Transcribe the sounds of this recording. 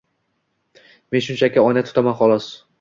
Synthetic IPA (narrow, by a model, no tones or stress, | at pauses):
me̞nʃʊnt͡ʃʰakʲaɒjnat̪ʰʊ̥t̪ʰamanχɒlˠɒs